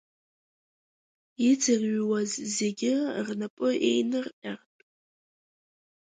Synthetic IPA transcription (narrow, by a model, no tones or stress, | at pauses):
id͡zɨrɥwazze̞ɡʲɪrnapʼɨʔe̞̰jnɨrʔʲʼartʼ